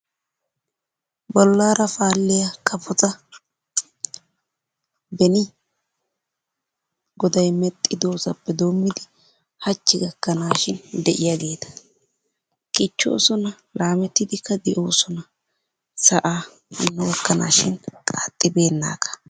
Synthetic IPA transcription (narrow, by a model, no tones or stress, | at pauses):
bɔlːaːɾɐfaːlːɪjɐkʰɐpʰɔt͡sʼɐ | bɛnɪ | ɡɔd̪ɐjmɛt̪ʼːɪd̪oːsɐpːɛd̪o̞ːmːɪd̪ɪ | hɐt͡ʃːɪɡɐkːɐnaːʃɪnd̪ɛʔɪjaɡe̞ːt̪ɐ̥ | kʼɪt͡ʃːo̰ːsɔnɐ | laːmɛt̪ːɪd̪ɪkːɐd̪ɛʔo̞ːsɔnɐ | sɐʔaː | ɐnːɛwɐkːɐna̰ːʃɪnkʼaːt̪ʼːɪbe̞ːnːa̰ːkɐ̥